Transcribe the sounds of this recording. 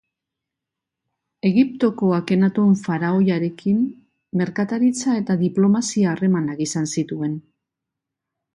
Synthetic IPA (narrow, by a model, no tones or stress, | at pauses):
e̞ɣip̚t̪o̞ko̞ake̞nat̪ueɱfaɾao̞jaɾe̞kʰimː | e̞ɾkat̪aɾit͡sae̞t̪aðiplo̞masiaːre̞manakisansit̪ue̞n